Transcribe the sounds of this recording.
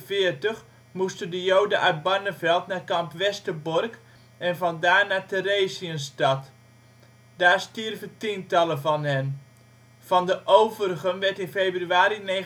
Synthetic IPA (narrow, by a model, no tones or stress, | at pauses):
vɪːərtəx | mustəndəjowdəʔœɥt̚banəvɛlˠtnaːkɑmpʋɛstəbɔrk | ɛnvɑndaːɹnaːtəɾeːsiənstɑt | daːɹstirvətintɑləvɑnɦɛn | v̥ɑndəʔowvərɣənʋɛɹtɪnfeːbryaːɾine